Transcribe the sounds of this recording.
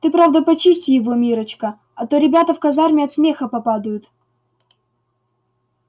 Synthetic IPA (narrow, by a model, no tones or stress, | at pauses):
t̪ɨpɾavd̪əpɐt͡ɕisʲtʲɪjɪvomʲiɾət͡ɕkə | ɐt̪oɾʲɪbʲat̪əfkɐzarmʲɪɐt̪smʲexəpɐpad̪əjʊt̪